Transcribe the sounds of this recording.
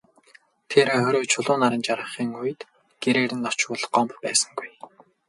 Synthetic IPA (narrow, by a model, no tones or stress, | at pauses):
t̪ʰeːɾeːχœɾʲoːt͡ɕʰʊɮʊːnaɾə̆nt͡ɕaɾə̆χiːŋujɘ̆t̪ | ɡ̥eɾeːɾɘ̆nːɔt͡ɕwʊɮɢɔmppæːsə̥̆ŋɡuj